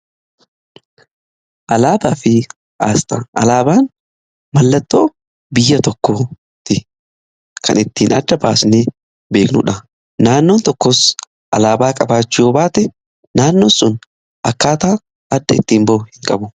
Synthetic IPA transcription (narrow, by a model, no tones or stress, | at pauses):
ʔɐlaːbaːfɪ | ʔaːst̪ɐʔɐ̰laːbaːn | mɐlːɐt̪ːoː | bɪjːɐt̪ɔkːoː | t̪ɪ | kʰɐ̰nɪt̪ːiːnɐd̪ːɐbaːsneː | be̞ːknʊ̰ᶑɐ | naːnːoːnt̪ɔkːɔs | ʔɐ̰laːbaːkʼɐbaːt͡ʃːɪoːbaːt̪ɛ | naːnːoːsʊn | ʔɐkːaːt̪aː | ɐd̪ːɐɪt̪ːiːmbɐʊhɪŋkʼɐbʊ